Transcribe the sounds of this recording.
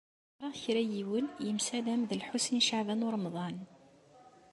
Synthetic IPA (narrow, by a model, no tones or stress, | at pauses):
ɾˤɑʁçɾæjiwənjəmsælæmðəlħusinʃaʕvænʊɾˤmðˤɑn